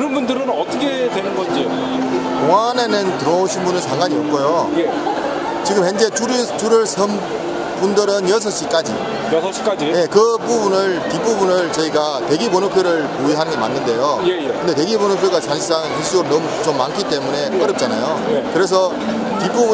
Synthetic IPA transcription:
kɯɾʌnbundɯɾɯnʌt͈ʌkʰetwenɯnɡʌnd͡ʑio | toŋanenɯntɯɾʌoɕʰinbunɯnsʰaŋɡwaɲiʌp̚k͈ojoje | t͡ɕiɡɯmhend͡ʑet͡ɕuɾt͡ɕuɾɯɭsʰʌm | pundɯɾɯnjʌs̬ʰʌɕ͈ik͈ad͡ʑḭ | jʌsʰʌɕ͈i̥k͈ad͡ʑije̞kɯpubunɯɭtip͈ubunɯɭt͡ɕʌiɡatwe̞ɡiponɯpʰjoɾɯɭpuiɦanɯnŋɡema̰nːɯnde̞jojekɯnde̞t̬e̞ɡiponɯpʰjoɡat͡ɕaŋɕʰs͈aŋsiɕ͈ʰioɾonʌmut͡ɕomːankʰit͈e̞mune̞ʌɾʌp̚t͡ɕ͈ana̰jojekɯɾe̞s̬ʰʌ | tip͈ubu

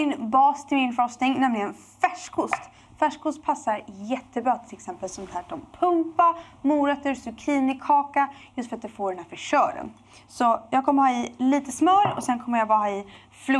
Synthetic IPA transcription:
ɪnbɑːst̪ʰɪlmɪnfast̪ɪŋnɛmlɪɡənfæʂkʰʊst̪ | fæʂkʰʊst̪̚pʰasːaɾjɛt̪ːəbɾɑːt̪ʰɪlɛksɛmpəlsɔmd̪ɛɦæːʈːɔmpʰɵmpamuːɾɛt̪ːəɾsɔkʰɾiːnɪkʰɑːkajɵst̪fœɾat̪̚d̪ɵfoːɖɛnæːɾfœʂœːɾə̰n | sɔjɑːɡ̚kʰɔmːəhɑːɪliːt̪əsmœːɾɔsɛnkʰɔmːəɾjaːɡvɑːhɑːɪ | fl

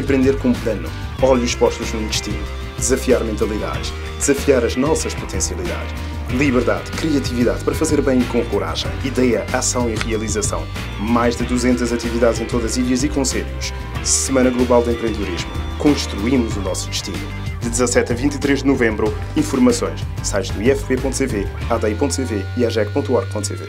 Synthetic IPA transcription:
ɐ̃pɾẽnd̪eɾkõũplˠɐnu | ɔʎuuʃpɔʃt̪uʒnũd̪ɨʃt̪inu | d̪ɨzɐfiaɾmẽnt̪ɐlˠiða̰ðɨʃ | d̪ɨzɐfiaɾɐʒnɔsɐʃpu̥t̪ẽsiɐlˠiða̰ðʃ | lˠiβɨɾða̰ðkɾiɐt̪iviðaðpɐɾɐfɐzeɾβɐ̃j̃ikõkuɾa̰ʒɐ̰̃j̃iðɛjɐʔasɐ̃w̃iʁiɐlˠizɐsɐ̰̃w̃ | majʒd̪ɨd̪uzẽnt̪ɐzɐt̪iviðaðzẽt̪oðɐziɾiɐzikõseʎuʃ | sɨmɐ̃nɐɣlˠuβalˠd̪ẽmpɾẽd̪ɨðuɾiʒmukõʃt̪ɾuimuzunɔsu̥d̪ɨʃt̪inu | d̪ɨd̪zɐsɛt̪ɐvĩnt̪it̪ɾeʒd̪ɨnuvẽmbɾu | ĩfuɾmɐsõj̃ʃ | sajnuiɛfpepõnt̪ut̪eve | aðɐipõnt̪ut̪eveiaʒɛk̚põnt̪uɔɾɣ̚põnt̪ut̪ḛvḛ

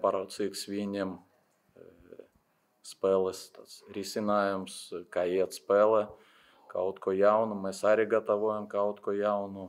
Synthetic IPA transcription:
pɑɾɐʊsiːksʋʲiːnʲem | spɛːlˠɐst̪ɐsɾʲisʲɪnɑːjʲʊmskɑːjiɛɐt̪spɛːlˠɐ | kɐʊt̪koːjɛʊnʊmɛsɑːɾʲɪɡɐt̪ɐʋuɔjɛmkɐʊt̪kojɛʊnʊ

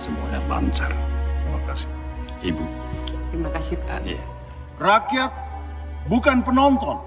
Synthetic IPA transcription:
simpuɲala̰nt͡ʃart̪ɾimakasi̥ | ibu | t̪ɾimakasija | rakijat̪̚ | bukanpənɔŋkɔn

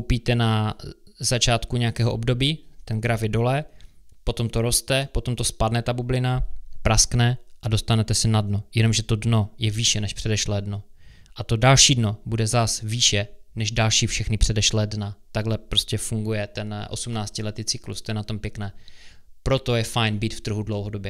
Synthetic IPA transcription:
kowpiːt̪ɛna | zat͡ʃaːt̪kuɲɛjakɛːɦoʔobdo̞biːt̪ɛnɡɾafjɛdo̞lɛpo̞t̪o̞mt̪oɾo̞st̪ɛpo̞t̪o̞mt̪o̞spadnɛt̪abublɪnapɾasknɛʔadost̪anɛt̪ɛsɛnadnojɛno̞mʒɛt̪o̞dno̞jɛviːʃɛnɛʃpr̥ɛdɛʃlɛːdno̞ʔat̪o̞dalʃiːdno̞budɛzasviːʃɛnɛʒdalʃiːfʃɛxnɪpr̝̥ɛdɛʃlɛːdnat̪aɡɦlɛpɾo̞scɛfuŋɡujɛt̪ɛnʔo̞̰sumnaːt͡scɪlɛt̪iːt͡sɪklṵst̪ojɛnat̪ompjɛknɛːpɾo̞t̪o̞jɛfajnbiːt̪ft̪r̩ɦudlowɦodo̞bjɛ

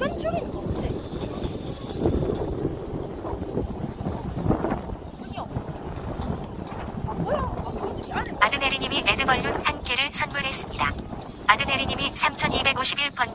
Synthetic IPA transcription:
adɯnɦeɾiɲimine̞dɯmʌʎːunhank͈e̞ɾɯɭsʰʌnmuɭɦe̞s͈ɯmɲida̰ | adɯnɦeɾiɲimisʰamt͡ɕʰʌnibe̞ɡoɕʰibiɭp͈ʌn

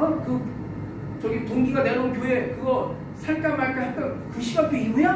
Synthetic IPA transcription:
ʌnkɯ | t͡ɕʌɡitoŋɡiɡaneɾonkjoɦekɯɡʌ | sʰaɭk͈aɡmaɭk͈ahat͈ʌnkɯɕʰiɡak͈eiɡuja

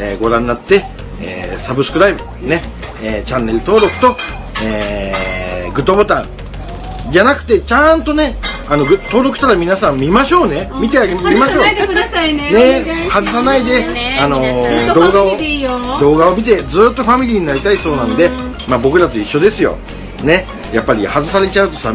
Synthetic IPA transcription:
ḛːɡo̞ɾãnːat̪ːe̞ | ḛːsabɯsɨ̥kɯ̟ɾaibɯ̟ | ne̞ | eːt͡ɕãnːe̞ɾɯ̟t̪o̞ːɾo̞kɯ̟̥t̪o̞ | eː | ɡɯ̟t̪ːobo̞t̪ãɴ | d͡ʑanakɯ̟̥t̪e̞t͡ɕãnt̪o̞ne̞ | ano̞ɡɯt̪ːo̞ːɾo̞kɯ̟̥t̪aɾamʲinasãmmʲimaɕo̞ːnemʲit̪̬eaɡeimaɕo̞ː | ne̞hazɨs̬anaid̪e̞ano̞d̪o̞ːɡao̞d̪o̞ːɡao̞mʲit̪̬e̞d͡zɨːt̪ːo̞ɸamʲiɾʲiːɲ̟inaɾʲit̪aiso̞ːnãnod̪e̞ | maːbo̞kɯ̟ɾat̪o̞iɕːo̞d̪e̞sɨjo̰ | ne̞ | japːaɾʲihazɨs̬aɾe̞t͡ɕaɯ̟t̪o̞sa

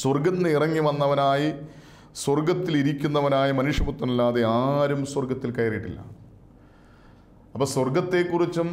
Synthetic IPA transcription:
swɐrɡɐnːɨirɐŋːiʋɐnːɐʋɐnaːji | swɐrɡɐt̪ːiliɾikʲːunːɐʋɐnaːjɐmɐnuʂjɐbut̪ːɐmilːaːðeaːɾumswɐrɡɐt̪ːilkɐjɐriʈːḭlːɐ̰ | ɐpːoːswɐrɡɐt̪ːe̞ːkːurit͡ɕːum

